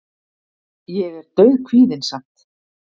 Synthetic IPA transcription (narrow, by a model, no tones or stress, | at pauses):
jɛɣɛɾt̪œɥðkʰviːðɪnsam̥t̪